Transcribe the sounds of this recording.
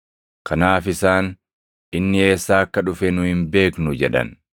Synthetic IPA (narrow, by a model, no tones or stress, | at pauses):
kʰɐnaːfɪsaːn | ʔɪnːɪe̞ːsːaːɐkːɐᶑʊfɛnʊhɪmbe̞ːknʊd͡ʒɛᶑɐ̰n